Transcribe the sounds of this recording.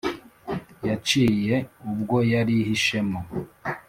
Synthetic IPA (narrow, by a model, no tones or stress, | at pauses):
jat͡ʃiːje̞ubɡo̞jaɾihiʃe̞mo